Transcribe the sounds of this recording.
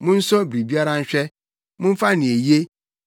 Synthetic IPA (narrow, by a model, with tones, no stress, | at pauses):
mʊ̃˦n̩˦sɔ˦bɾi˨bi˦a˦ɾa˦n̩˦ɕᶣɛ˦ | mʊ̃˦ɱ̩˦fa˦nɪ̃˨e˨je˦